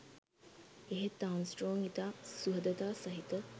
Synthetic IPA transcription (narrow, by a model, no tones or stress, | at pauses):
eɦet̪ansʈɾoːŋit̪aːsuɦəd̪ət̪aːsɐɦit̪ə